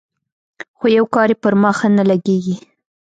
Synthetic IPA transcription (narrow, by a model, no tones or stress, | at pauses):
xojawkɑɾjepəɾmɑxanalaɡeɡi